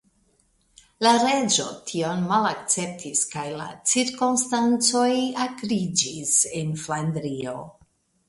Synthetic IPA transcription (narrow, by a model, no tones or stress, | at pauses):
laɾed͡ʒo̞tʰio̞nmalak̚t͡se̞p̚tʰiskajla̰t͡siɾkonstant͡so̞jakɾid͡ʒisenflandɾio̞